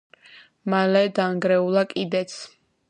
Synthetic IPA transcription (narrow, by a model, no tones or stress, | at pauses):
malɛd̪aŋɡɾɛulˠakʼid̪ɛt̪sʰ